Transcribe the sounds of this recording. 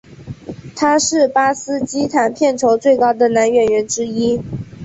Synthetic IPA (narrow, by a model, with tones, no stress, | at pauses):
t̪ʰa˥ʂɻ̩˥˩pa˥sɹ̩˥t͡ɕi˥t̪ʰa˨˩npʰjɛ˥˩nʈ͡ʂʰo˧˥ʊt͡swe˥˩ɪkɑ˥ʊd̪ə˨na˧˥nɥɛ˨˧˥nɥɛ˧˥nʈ͡ʂɻ̩˥i˥